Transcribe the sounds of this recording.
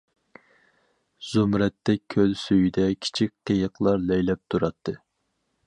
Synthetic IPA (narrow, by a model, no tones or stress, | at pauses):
z̥umɾɛt̪ːɛk̚ʲʰːølsøjd̪ɛkʲʰi̥t͡ʃʰik̚ʲqʰəjəqlˠɑɾlɛjlɛp̚t̪ʰuɾɑt̪ʰːɨ